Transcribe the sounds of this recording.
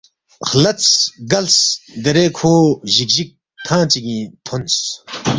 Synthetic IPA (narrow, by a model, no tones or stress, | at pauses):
xlɐt͡sɡɐlsd̪eɾekʰoːʑik̚ʑik̚ | t̪ʰãːt͡siɡĩːt̪ʰons